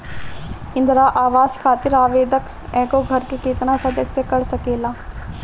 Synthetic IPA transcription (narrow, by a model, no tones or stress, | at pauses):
ɪ̃nd̪ɾaːʔaːʋaːskʰaːt̪ɪɾaːʋeːd̪ək | ɛ̃ːkoɡʱəɾkekɪt̪nasəd̪əsjəkəɾsəkeːlaː